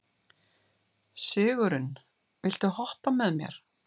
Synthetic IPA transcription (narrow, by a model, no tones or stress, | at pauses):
sɪːɣʏɾʏn | vɪl̥t̪ʏhɔhpamɛðmjɛ̰ɾ̥